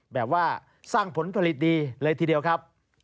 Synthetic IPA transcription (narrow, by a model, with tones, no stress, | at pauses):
bɛː˨˩p̚waː˥˩ | saː˥˩ŋpʰo˩˦npʰa˧li˨˩t̪̚diː˧lɤː˧jt̪ʰiː˧di˧əwkʰa˦˥p̚